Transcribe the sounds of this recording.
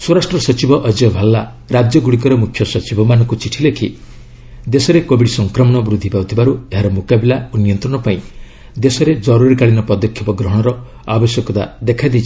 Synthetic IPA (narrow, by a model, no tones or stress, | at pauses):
swoɾasʈɾɔsɔt͡ʃibɔʔɔd͡ʒɔbʱalːa | ɾad͡ʒjɔɡuɽik̬ɔɾemukʰjɔsɔt͡ʃibʱɔmanɔ̃ŋkut͡ʃiʈʰilekʰi | d̪esɔɾekobiɽisɔŋkɾɔmɔɽ̃ɔbɾud̪ʱːipawt̪ʰibaɾueɦaɾɔmukabilaonijɔnt̪ɾɔɽ̃ɔpaĩ | d̪esɔɾed͡ʒɔɾuɾikaɭinɔpɔd̪ɔkʰːjɔpɔɡɾɔɦɔɽ̃ɔɾɔ | abɔsjɔkɔt̪a̰d̪ekʰajd̪ejt͡ʃʰi̥